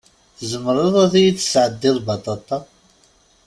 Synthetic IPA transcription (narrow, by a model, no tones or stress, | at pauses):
θəzəməɾˤɑðˤɑθijit͡sːə̥sʕəd̪ːɪðˤbɑt̪ˤːɑt̪ˤɑ